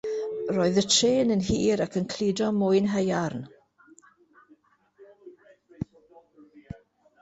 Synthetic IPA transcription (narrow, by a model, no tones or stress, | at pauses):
roːɨðətʰreːnənhiːɾakʰənkʰliːdɔmʊːjnɦɛjarn